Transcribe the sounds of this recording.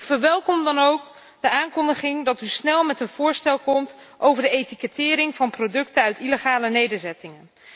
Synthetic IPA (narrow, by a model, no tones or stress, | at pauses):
fəɹʋɛlˠkɔmdɑnowk | dəaːŋkɔndəχɪŋdɑtysnɛlˠmɛtənv̥ʊːɹstɛlˠkɔmtʔowvəɹdəejtikətɪːɾɪŋvɑnprodɵktənœɥtiləχaːlənejdəɹzɛtɪŋən